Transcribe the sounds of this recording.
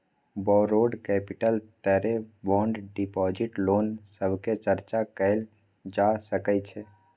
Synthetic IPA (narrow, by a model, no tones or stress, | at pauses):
bɔɾoɖkɛpiʈəlt̪əɾebɔɳɖɖipɔd͡ʒiʈlonsəbʱket͡ʃəɾt͡ʃakəɪl | d͡ʒasəkɛt͡ʃʰɛ